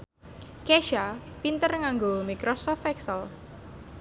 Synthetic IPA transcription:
keʃapint̪ərŋaŋɡomikɾɔsɔft̪ɛksəl

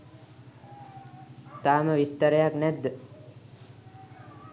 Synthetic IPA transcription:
t̪aːməʋist̪əɾəjaknɛd̪ːə

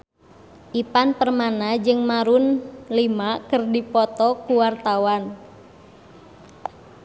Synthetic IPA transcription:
ʔipanpərmanad͡ʒɨŋmaɾunlimakərdipɔt̪ɔkuwart̪awan

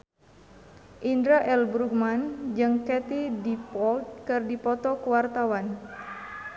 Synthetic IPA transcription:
ʔindɾaʔɛlbɾuk̚mand͡ʒɨŋkɛt̪idipɔlt̪̚kɨrdipɔt̪ɔkəwart̪awan

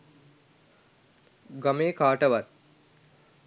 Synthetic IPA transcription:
ɡɐmeːkʰaːʈəʋat̪̚

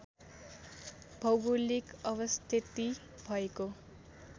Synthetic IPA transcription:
bʱʌwɡulikʌβʌst̪ʰit̪i | bʱʌeko

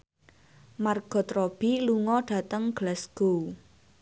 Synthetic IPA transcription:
marɡ̥ɔ̤t̪ɾɔb̥iluŋɔɖ̥ä̤t̪əŋɡ̥lɛsɡ̥o

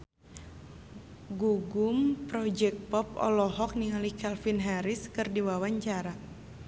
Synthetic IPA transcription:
ɡuɡumpɾɔd͡ʒɛk̚pɔp̚ɔ̰lɔɦɔk̚niŋalikalfinɦaɾiskɨrdiwawaɲt͡ʃaɾa

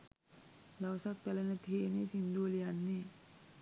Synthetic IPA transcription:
lawsat̪̚pɛlanat̪ʰinisind̪ulianːi

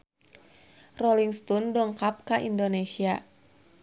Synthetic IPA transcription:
rɔliŋst̪ɔndɔŋkap̚kaʔindonesia

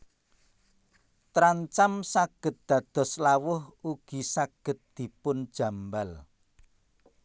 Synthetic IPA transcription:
t̪ɾaɲt͡ʃamsaɡ̥ə̤t̪̚d̪̥ä̤d̪̥ɔ̤slawʊhuɡ̥i̤saɡ̥ə̤t̪̚d̪̥i̤pʊnd̥ʒ̥a̤mbal

